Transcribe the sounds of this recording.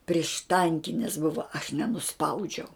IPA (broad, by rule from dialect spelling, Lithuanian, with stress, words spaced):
pʲrʲiɛʃˈtɐŋʲkʲɪnʲɪs ˈbʊʋɐ ɐʃ nʲɛnʊˈspɐʊd͡ʒʲɛʊ